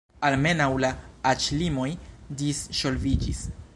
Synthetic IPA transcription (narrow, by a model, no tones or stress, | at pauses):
alme̞nawlaːt͡ʃlimo̞jdisʃo̞lvid͡ʒis